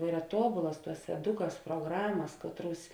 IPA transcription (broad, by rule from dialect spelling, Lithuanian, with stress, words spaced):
ˈiːrɐ ˈtuɔbʊlˠɐs ˈtuɔs ɛˈdʊkɐs pruɔˈɡrɑːmɐs ˈkɑːtˌruɔs